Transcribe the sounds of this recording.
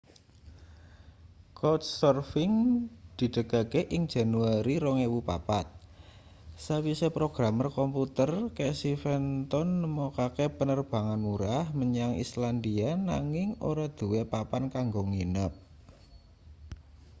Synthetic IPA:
kɔt̪sɔrfɪŋd̪̥i̤ɖ̥ə̤ɡ̥akeʔɪŋ̥ʒ̥ä̤nuaɾiɾɔŋewupa̰pat̪̚ | sawisepɾoɡ̥ɾamərkɔmput̪ərkesifɛnt̪ɔnːəmɔkakepənərb̥a̤ŋanmuɾahməɲaŋḭsland̪ianaŋɪŋo̰ɾad̪̥ṳwepapankaŋɡoŋinəp̚

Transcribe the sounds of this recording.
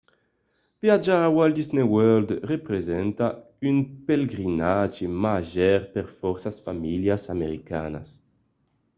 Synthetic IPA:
vjad͡ʒawald̪iznewøld̪repɾezɛnt̪a | ynpeleɡɾinad͡ʒemaʒɛɾpeɾfɔɾsasfamiljasameɾika̰ːna̰s

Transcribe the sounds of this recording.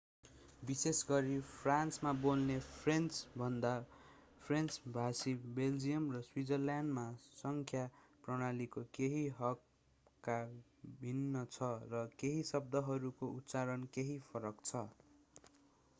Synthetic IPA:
bisesɡʌɾipʰransmabolnepʰrent͡sbʱʌnd̪a | pʰrent͡sbʱasibeld͡zijʌmrʌswid͡zʌrljanmasʌŋkʰja | prʌɽ̃alikokeɦiɦʌkː | a | bʱinːʌt͡sʰʌrʌkeɦisʌb̚d̪ʌɦʌɾukout̪ːt͡saɾʌnkeɦipʰʌɾʌkt͡sʰʌ

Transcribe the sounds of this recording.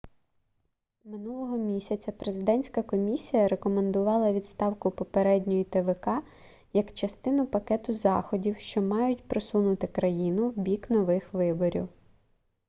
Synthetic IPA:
mɪnulˠɔɦɔmʲisʲɐt͡sʲɐpɾezɪd̪ɛnʲsʲkɐkɔmʲisʲijɐɾekɔmend̪ʊʋɑlˠɐʋʲidt̪st̪ɑwkʊpɔpeɾɛdʲnʲɔjit̪eʋekɑ | jɐkt͡ʃɐst̪ɪnʊpɐkɛt̪ʊzɑxɔdʲiwʃt͡ʃɔmɑjʊtʲpɾɔsunʊt̪ɪkɾɐjinʊwbʲiknɔʋɪxʋɪbɔɾʲḭw

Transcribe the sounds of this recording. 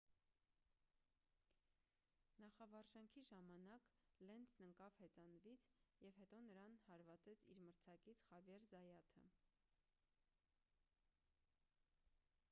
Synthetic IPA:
nɑχɑvɑɾʒɑŋkʰiʒɑmɑnɑklɛnt͡sʰnəŋkɑvhɛt͡sɑnvit͡sʰjɛvhɛt̪ɔnəɾɑnhɑɾvɑt͡sɛt͡sʰiɾməɾt͡sʰɑkit͡sʰχɑvjɛɾzɑjɑt̪ʰə̰

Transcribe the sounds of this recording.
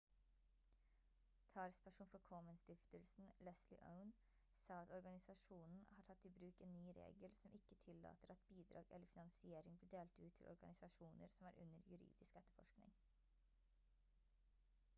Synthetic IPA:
t̪ʰɑːlspʰæʂuːnfɔkʰɔːmənst̪ɪft̪əlsn̩lɛslɪ̰ʔə̰ʊn | sɑːɑt̪ɔɾɡɑnɪsɑʂuːnn̩hɑːʈʰɑt̪ʰːɪbɾʉːkeːnːyːɾḛːɡəlsɔmʔɪkːət̪ʰɪlːɑ̰ːt̪əɾɑt̪biːd̪ɾɑ̰ːɡɛləɾfɪnɑŋsɪeːɾɪŋbliːd̪eːlt̪ʉːt̪ʰːɪlʔɔ̰ɾɡɑ̰nɪsɑʂuːnə̰ɾsɔmæːɾʔʉ̰nəɾjʉɾḭːd̪ɪskɛt̪ːəɾfɔ̰ʂknɪ̰ŋ

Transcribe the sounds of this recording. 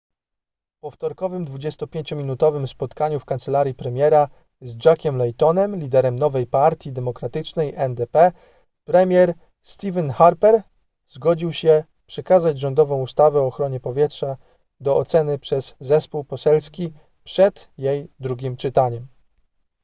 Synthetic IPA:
fpɔft̪ɔɾkɔvɘmd̪vud͡ʑɛst̪ɔpʲjeɲt͡ɕɔmʲinut̪ɔvɘmspɔt̪kaɲufkant̪sɛlaɾʲjipɾɛmʲjɛɾa | zd͡ʐakʲɛmlɛjt̪ɔnɛmlʲid̪ɛɾɛmnɔvɛjpaɾt̪ʲjid̪ɛmɔkɾat̪ɘt͡ʂnɛjʔɛnd̪ɛpɛ | pɾɛmʲjɛɾ | st̪ʲivɛnxaɾpɛɾ | zɡɔd͡ʑiwɕɛ | pʂɛkazad͡ʑʐɔnd̪ɔvɔ̃w̃ust̪avɛɔːxɾɔɲɛpɔvʲjɛtʂa | d̪ɔɔt̪sɛnɘpʂɛz̥ːɛspuwpɔsɛlskʲi | pʂɛd̪̥jejd̪ɾuɡʲimt͡ʂɘt̪aɲɛm

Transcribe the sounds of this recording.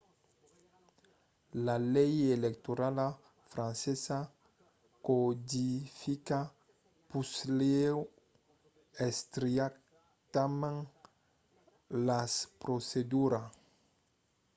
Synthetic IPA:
lalɛjelekt̪oɾala | fɾãnsesa | kod̪ifika | puslew | est̪ɾiak | t̪amãŋ | laspɾosed̪uɾa

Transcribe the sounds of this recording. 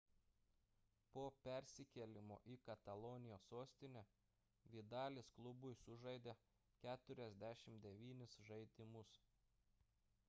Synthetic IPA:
poːpʲɛɾʲsʲɪkʲɛlʲɪmo̰ːʔikɐt̪ɐlˠoːnʲɪjoːsoːsʲt̪ʲɪnʲɛ | ʋʲid̪ɑːlʲeːsklˠʊbʊɪsʊʒɐɪd̪ʲe | kʲæːt̪ʊɾʲɛzʲd̪ʲæʃʲɪmd̪ʲɛʋʲiːnʲɪsʒɐɪd̪ʲɪmʊs

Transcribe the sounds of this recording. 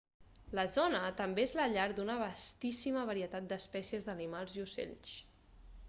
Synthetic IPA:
ləzɔnət̪əmbeezləʎaɾd̪unəβəst̪isiməβəɾiət̪at̪̚d̪əspɛsiəzd̪ənimalˠziusḛʎs

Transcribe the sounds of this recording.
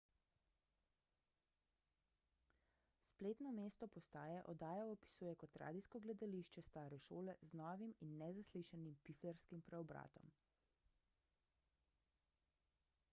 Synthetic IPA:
spleːt̪nɔmeːst̪ɔpɔst̪aːjɛʔɔd̪aːjɔɔpi̥suːjɛkɔt̪ɾa̰ːd̪iskɔɡlɛd̪aliʃt͡ʃɛst̪aːɾɛʃoːlɛznɔːʋiminːɛzasliʃanimpiflɛɾskimpɾɛɔbɾa̰ːt̪ɔ̰m

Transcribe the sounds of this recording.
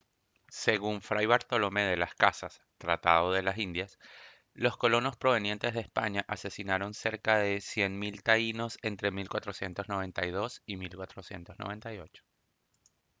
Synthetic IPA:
se̞ɣuɱfɾajβaɾt̪olome̞ð̞e̞laskasas | t̪ɾat̪að̞o̞ð̞e̞lasind̪jas | lo̞sko̞lo̞no̞spɾo̞βe̞nje̞nt̪e̞zðeːspaɲaʔase̞sinaɾo̞nse̞ɾkaðe̞sje̞nmilt̪aino̞se̞nt̪ɾe̞milkwat̪ɾo̞sje̞nt̪o̞zno̞βe̞nt̪ajð̞o̞similkwat̪ɾo̞sje̞̰nt̪o̞znoβe̞nt̪ajo̞̰t͡ʃo̥

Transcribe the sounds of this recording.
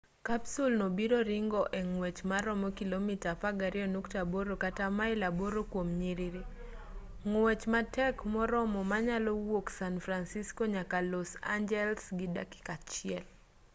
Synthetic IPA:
kapsulnobiɾɔɾiŋɡɔʔeŋwɛt͡ʃmaɾɔmɔkilomitapaɡaɾɪɔnuktaboɾokatamaɪlaboɾokwomɲiɾiɾi | ŋwɛt͡ʃmatɛkmɔɾɔmɔmaɲalɔwoksanfɾansiskɔɲakalɔsa̰ɲd͡ʒɛlsɡɪda̰ki̥kat͡ʃɪɛl

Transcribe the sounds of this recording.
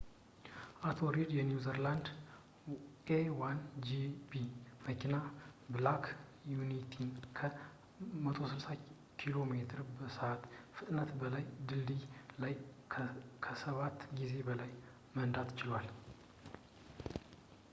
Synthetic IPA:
ʔat̪ʰo̞ɾid̪jɛnjuzəɾland̪ | ʔewand͡ʒibiməkʰinablakʰjunit̪ʰinkʰə | mət̪ʰo̞sɨlsa | kʰilo̞me̞t̪ʰɨɾbəsəʔat̪fɨt̪ʼnət̪bəlajd̪ɨld̪ilaj | kʰəsəβat̪ːɡize̞bəlaj | mənd̪at̪ːt͡ʃɪlwal

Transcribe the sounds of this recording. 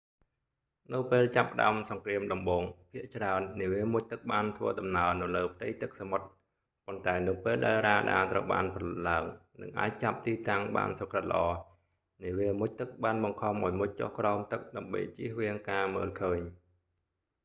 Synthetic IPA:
nɨwpeːlt͡ɕapːə̆ɗa̰əmsɑŋkriəmɗɑmɓoːŋpʰiəʔt͡ɕraənːiəʋiəmuc̚t̪ɨk̚ɓaːnt̪ʰʋə̰ːəɗɑmnaənɨwləːpʰt̪ɨjt̪ɨk̚samot̪̚ | pont̪aɛnɨwpeːlɗaɛlraːɗa̰ːt̪rə̰wɓa̰ːnpʰɑlɨt̪̚laəŋnɨ̰ŋʔa̰ːc̚t͡ɕap̚t̪iːt̪aŋɓa̰ːnsokrət̪lə̆ʔɑː | niəʋiəmʊc̚t̪ɨk̚ɓaːnɓɑŋkʰɑmʔaɔːjmuc̚t͡ɕo̰hkraɔmt̪ɨk̚ɗaəmɓə̰jt͡ɕiəhʋiəŋkaːmə̰ːlkʰəːɲ

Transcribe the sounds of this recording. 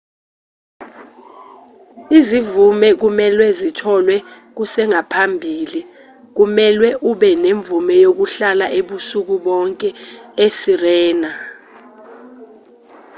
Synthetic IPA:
izivumɛk̬umɛlwɛzitʰɔlwɛ | k̬usɛŋapʰambʱiːli | k̬umɛlwɛʔuɓɛneɱvumɛjok̬uɬalaʔeɓusuk̬uɓɔŋkʼɛesirɛːna

